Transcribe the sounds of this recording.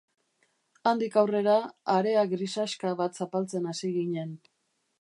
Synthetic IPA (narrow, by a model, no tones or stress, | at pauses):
and̪ikawre̞ɾaːɾe̞aɡɾisaʃkaβat̪sapalt͡se̞nasiɣiɲe̞n